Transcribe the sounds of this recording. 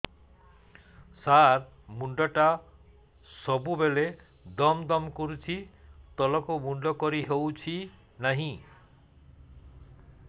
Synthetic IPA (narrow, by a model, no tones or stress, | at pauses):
saɾ | muɳɖɔʈa | sɔbubele | d̪ɔmd̪ɔmkuɾut͡ʃʰit̪ɔlɔkumuɳɖɔkɔɾiɦewt͡ʃʰi | naɦĩ